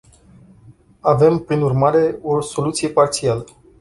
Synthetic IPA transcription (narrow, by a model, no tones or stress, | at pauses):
ave̞mpɾinurmaɾe̞o̞so̞lut̪sije̞part̪sialə